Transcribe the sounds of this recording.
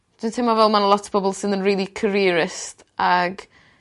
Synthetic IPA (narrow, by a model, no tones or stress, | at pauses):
d̥ɪntʰemavɛlˠmanəlˠɔtʰə̥bɔblˠsɪnðə̃nɹiːlˠikʰəɾiːəɹɪst | ʔaɡ